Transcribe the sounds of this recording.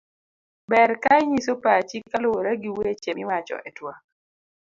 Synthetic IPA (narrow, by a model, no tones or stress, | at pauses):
bɛɾkajɲisopat͡ʃikːalowoɾaɡiwet͡ʃemɪwat͡ʃɔ̰ʔɛtwa